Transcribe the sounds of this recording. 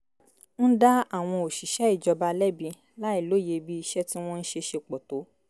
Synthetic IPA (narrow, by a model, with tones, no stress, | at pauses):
n̩˦da˦a˦˨w̃ɔ̃˧o˨ʃi˨ʃɛ˨˦i˦˨d͡ʒɔ˧ba˧lɛ˦bĩ˧ | la˦i˦˨lo˨˦˨je˧bi˦i˧ʃɛ˦ti˦w̃ɔ̃˦n̩˦ʃe˧ʃe˧k͡pɔ˨to˨˦